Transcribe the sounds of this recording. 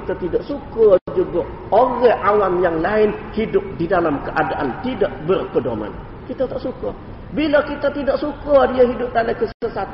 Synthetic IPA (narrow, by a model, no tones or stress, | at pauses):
t̪at̪idaʔsukɔd͡ʒuɡɔ | oɣɛʔawamjaŋlaɪnhidʊp̚didalamkəʔadaʔant̪idaʔbərkədoma̰n | kit̪at̪aʔsukɔ | bilakit̪at̪idaʔsukɔdiəɦidʊp̚t̪anakəsəsat̪